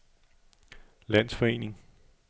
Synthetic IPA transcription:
læn̰sfɒ̽e̝̰ːne̝ŋ

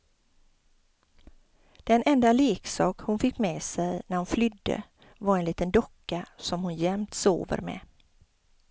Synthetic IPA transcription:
d̪̥ɛnɛnd̪aleːksɑːkhʊnfɪkːmɛːsɛjnæɾhʊnflʏd̪ːə̰ | vaɾɛnliːt̪ənd̪ɔkːasɔmhʊnjɛmt̪so̰ːvə̰ɾmɛ̰

